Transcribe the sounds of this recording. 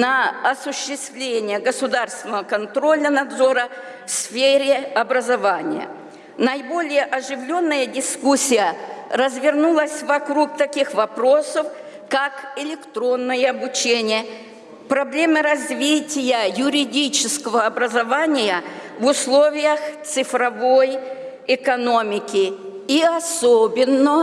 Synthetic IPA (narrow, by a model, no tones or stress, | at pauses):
nɐɐsʊɕːɪst̪vlʲenʲɪjəɡəsʊd̪arst̪vʲɪnəvəkɐnt̪ɾo̞lʲənɐd̪zo̞ɾə | fsfʲeɾʲɪɐbɾəzɐvanʲɪ̰jə̰ | nɐjbo̞lʲɪjəʔɐʐɨvlʲo̞nːəjədʲɪskusʲːɪjərəzvʲɪrnulˠəsʲvɐkɾuk̚t̪ɐkʲixvɐpɾo̞səf | kakɪlʲɪkt̪ɾo̞nːɨjəɐbʊt͡ɕenʲɪjə | pɾɐblʲe̞mɨɾɐzvʲitʲɪjəjʊɾʲɪdʲit͡ɕɪskəvəɐbɾəzɐvanʲɪjəvʊslˠo̞vʲɪjəxt̪sɨfɾɐvo̞j | ɪkɐno̞mʲɪkʲɪiɐsobʲɪnːə